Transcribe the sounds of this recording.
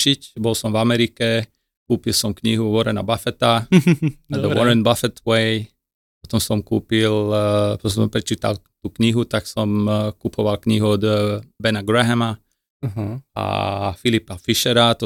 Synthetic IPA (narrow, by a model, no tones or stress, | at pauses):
ʃicbɔlsɔmvamɛɾikɛ | kuːpilsɔmkɲiɦuʋɔɾɛna̰bafɛt̪a | d̪əʋɔɾɛnbafɛt̪wɛj | pɔt̪ɔmsɔmkuːpilpsɔɔmpɾɛt͡ʃiːt̪a̰lt̪uːkɲiɦut̪aksɔmkupʰɔʋalkɲiɦuɔd̪bɛnaɡɾɛɦɛma | ɦa̰filipafiʃɛɾat̪ɔ